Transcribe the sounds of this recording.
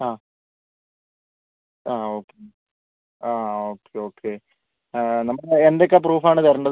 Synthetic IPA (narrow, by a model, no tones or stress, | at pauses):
aː | aːoːkːe | aːoːkʰːeo̞ːkʰːeː | nɐmːɐɭendeokːep̬ruːfaːɳɨt̪ɐɾɐɳɖɐð